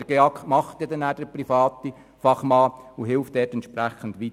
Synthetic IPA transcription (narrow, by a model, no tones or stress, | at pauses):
əɾɡ̥eɑkʰtmɑχt̪jɛdɛnæːd̥əɾprifɑːt̪i | fɑχmɑːuɦɪlftd̥ɛːtɛntʃpræχəndʋit